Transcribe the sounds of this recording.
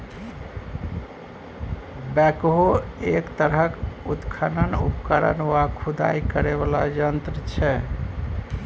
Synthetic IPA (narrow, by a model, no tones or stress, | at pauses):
bɛkɦoekt̪əɾɦəkut̪kʰanənṵpkəɾə̰noakʰud̪a̰jkəɾeβalad͡ʒənt̪ɾət͡ʃʰɛ